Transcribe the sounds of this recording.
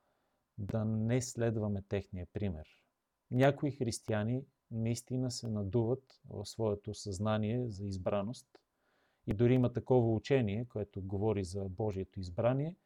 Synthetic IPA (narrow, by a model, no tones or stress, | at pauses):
d̪ɐnɛslɛd̪vɐmɛt̪ɛxnijəpɾimɛ̰ɾ | nʲakoixɾist̪iani | nɐist̪inəsɛnɐd̪uvət̪vɐ̰fsvɔɛt̪osɐznaniɛzɐizbɾanost̪ | id̪ʊɾiimɐt̪ɐkɔvɐut͡ʃɛniɛkoɛt̪oɡovɔɾizɐbɔʒiɛt̪oizbɾaniɛ